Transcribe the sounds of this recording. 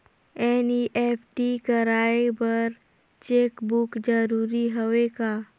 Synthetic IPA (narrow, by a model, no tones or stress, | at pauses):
ɛːniʔɛːpʰʈikɐɾaːebɐɾ | t͡ʃeːkbʊkd͡ʒəɾuːɾiɦoʋekaː